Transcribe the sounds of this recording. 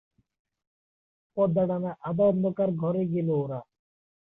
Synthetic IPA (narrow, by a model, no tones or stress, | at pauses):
pɔd̪ːaɽanaʔad̪anokaɾɡʱɔɾeɡeloɾa